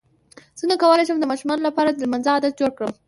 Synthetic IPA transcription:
z̥ənakawəlajʃəmd̪əmɑʃumɑnolapɑɾad̪əlmanzəad̪at̪̚d͡ʒoɽkɽəm

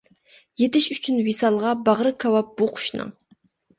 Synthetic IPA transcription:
jet̪ɪʃyt͡ʃʰynwisɑlˠʁɑbɑʁɾɨkʰʲɑwɑp̚buqʰʊ̥ʃnɨ̰ŋ

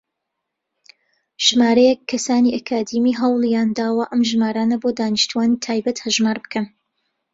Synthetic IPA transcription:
ʒ̥maːɾɐjɛkʰːɐsaːniʔɐkʰaːd̪imiːɦɑwlˠjaːnd̪aːwɐʔɐmʒmaːɾaːnɐboːd̪aːniʃt̪uwaːniːt̪ʰaːjbɐt̪hɐʒmaːɾbɨ̥kʰɐn

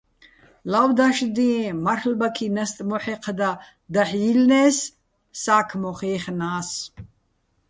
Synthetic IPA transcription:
lawd̪aʃd̪ĩːmaɾχlbakʰinɛst̪ʼmɔħɛqʰd̪a | d̪aħjilnɛːs | saːkʰmɔχiːχnaːs

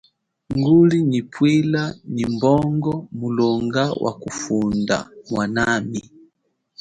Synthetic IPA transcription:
ŋɡulinipwilanimbɔŋɡɔmulɔŋɡawʔa̰kufunda̰mwanami

